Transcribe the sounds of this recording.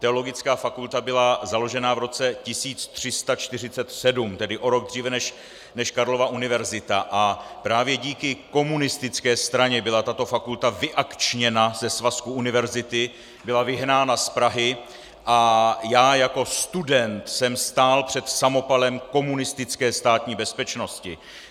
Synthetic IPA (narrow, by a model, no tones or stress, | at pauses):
t̪ɛo̞lo̞ɡɪt͡skaːfakult̪abɪlazalo̞ʒɛnavɾo̞t͡sɛcɪsiːt͡st̪r̝̥ɪst̪at͡ʃt̪ɪrɪt͡sɛt̪sɛdumt̪ɛdɪʔo̞ɾo̞ɡ̚d̪r̝iːvɛnɛʃ | nɛʃkaɾlo̞vaʔunɪvɛɾzɪt̪aʔapɾaːvjɛɟiːkɪko̞munɪst̪ɪt͡skɛːst̪ɾaɲɛbɪlat̪at̪o̞fakult̪avɪʔakt͡ʃɲɛnazɛsvaskuunɪvɛɾzɪt̪ɪ | bɪlavɪɦnaːnaspɾaɦɪ | ʔajaːjako̞st̪udɛnt̪sɛmst̪aːlpr̥ɛt̪samo̞palɛmko̞munɪst̪ɪt͡skɛːst̪aːt̪ɲiːbɛspɛt͡ʃno̞scɪ